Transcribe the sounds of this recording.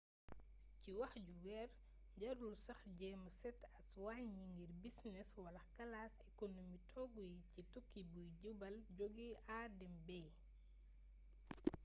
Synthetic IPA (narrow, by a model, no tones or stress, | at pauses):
ciwɐxɟuwɛr | ɟɐɾulsɐxɟɛːməsɛtɐswaːɲiŋɡiɾbisnɛswɐlɐkɐlaːsɛkonomitʰɔɡujicitukːibujɟubɐlɟoɡiaːdɛmbɛː